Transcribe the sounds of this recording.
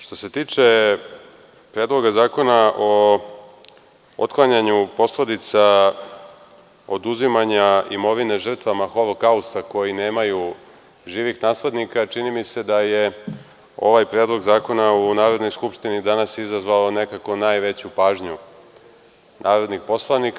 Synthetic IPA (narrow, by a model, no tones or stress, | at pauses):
ʃt̪o̞se̞t̪iːt͡ʂe̞ | pɾe̞ːd̪lˠo̞ɡazaːko̞naʔo | o̰t̪klˠaɲaɲupo̞sle̞d̪it̪sa | o̞d̪uzimaɲaimo̞ʋine̞ʒr̩t̪ʋamaxo̞lo̞kaust̪ako̞jineːmaju | ʒiːʋixnaːsle̞d̪nikat͡ʃinimise̞d̪aje̞ | o̞̰ʋajpɾeːd̪lˠo̞ɡzaːko̞naunaːɾo̞d̪no̞jskupʂt̪inid̪anasizazʋalo̞ne̞kako̞naːjʋe̞t͡ɕupaːʒɲu | nʔaːɾo̞d̪nixpo̞slˠanik